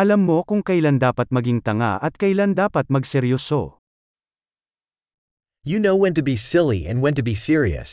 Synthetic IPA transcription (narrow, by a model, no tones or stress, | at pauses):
ʔɐlɐmːo̞kʊŋkɐland̪aːpɐt̪̚mɐɡiŋt̪ɐŋa̰ʔɐt̪̚kɐɪland̪aːpɐt̪̚mɐɡsɛɾjoːso̰ | jɨnoʊwɛ̃ntɨbisɪlˠiɛ̰̃nwɛ̃ntɨbisɪɹiɨ̰s